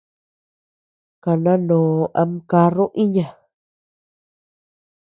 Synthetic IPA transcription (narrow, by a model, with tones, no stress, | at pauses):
ka˨nã˦nõː˨˧ʔa˧m˧ka˧ɾõ˦ʔĩ˦ɲã˨